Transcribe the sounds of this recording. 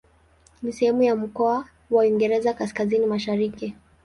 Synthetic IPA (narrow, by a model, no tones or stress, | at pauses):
nisɛhɛmujam̩kɔa | waiŋɡɛɾɛzakaskazinimaʃaɾiki